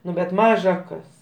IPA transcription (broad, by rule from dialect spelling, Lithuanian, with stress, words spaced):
ˈnʊ bʲɛt ˈmɑːʒɐ ˈkɐs